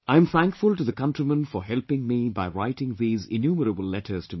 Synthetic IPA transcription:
ãɪɨ̃mθæ̃ŋkfʊlˠʈɨðəkʌ̃ntɹimə̃nfɔɦɛlˠpɪ̃ŋmibaɪɹaɪtɪ̃ŋðiːzɪ̰njuːməɾəbəlˠlɛtʰə˞z̥tʰɨ

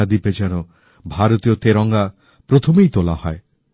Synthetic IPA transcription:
ad̪ibed͡ʒaɾ̃ɔ | bʱaɾɔt̪ijɔt̪eɾɔŋɡa | pɾot̪ʰɔmejt̪olahɔe

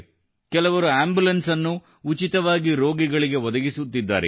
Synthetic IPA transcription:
kɛlɐʋɐɾuaːmbulɐnsɐnːuː | t͡ʃit̪ɐʋaːɡiɾo̞ːɡiɡɐɭiɡe̞ʋɔd̪ɐɡisut̪ːid̪ːaːɾḛ

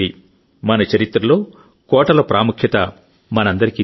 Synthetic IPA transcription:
i | mɐnɐt͡ʃɐɾit̪ːɾɐlo̞ː | kɔːʈɐlɐpɾaːmukʰjɐt̪ɐ | mɐnɐnd̪ɐɾiki

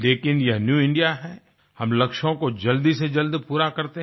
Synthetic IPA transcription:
leːkɪnjɐɦnjuːɪ̃ɳɖijaɦɛ | hɐmlɐkʃõkod͡ʒɐld̪ised͡ʒɐld̪puːɾakɐɾt̪eɦ

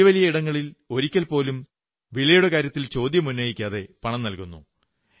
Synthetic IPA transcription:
ʋɐlijɐiɽɐŋːɐɭilo̞ɾikʲːɐlpo̞ːlum | ʋiɭɐjuɽe̞kaːɾjɐt̪ːilt͡ɕo̞ːd̪jɐmunːɐjikʲːaːðe̞pɐɳɐmnɐlkunːṵ

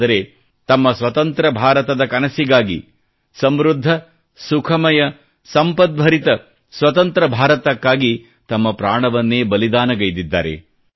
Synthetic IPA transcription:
d̪ɐɾe | t̪ɐmːɐsʋɐt̪ɐnt̪ɾɐbʱaːɾɐt̪ɐd̪ɐkɐnɐsiɡaːɡḭ | sɐmɾud̪ʱːɐ | sukʰɐmɐjɐ | sɐmpɐd̪̚bʱɐɾit̪ɐ | sʋɐt̪ɐnt̪ɾɐbʱaːɾɐt̪ɐkːaːɡi | t̪ɐmːɐpɾaːɳɐʋɐnːeːbɐlid̪aːnɐɡɐjd̪id̪ːa̰ːɾḛ

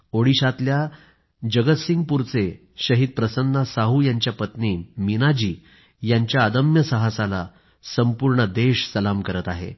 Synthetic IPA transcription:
oɽiɕat̪lja | d͡ʑəɡət̪siŋɡ̚puɾt͡se | ɕəɦiːd̪̚pɾəsənd̪asaɦujaɲt͡ɕjapət̪niːnminad͡ʑiː | jaɲt͡ɕjaːd̪əmjəsəɦasala | səmpuɾɳəd̪eɕsəlamkəɾət̪aɦḛ

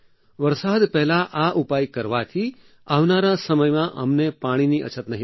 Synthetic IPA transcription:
ʋəɾsad̪pɛɦlaʔaʔupajkəɾʋat̪ʰi | aʋnaɾasəməjmãʔə̰mnepaɽ̃iniə̰t͡ʃʰət̪nəɦi

